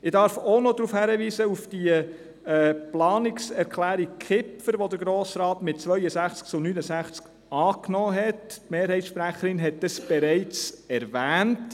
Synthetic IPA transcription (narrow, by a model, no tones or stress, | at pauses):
ɪdɑɾfonɔdɾufhæɾəʋiːsəufd̥iə | ɛːplɑːnɪksɛɾkʰlæːɾikʰɪpfəɾʋod̪əɾɡɾoːsɾɑːtmɪt̚t͡sʋœʏəsæχt͡sk̚t͡sʊnyːnəsæχt͡sk | ɑːknɔːɦɛttmeːɾhɛɪtsʃpɾæχəɾɪnɦɛt̚d̥ɑsb̥ɛɾɛɪt͡sɛɾvæːnt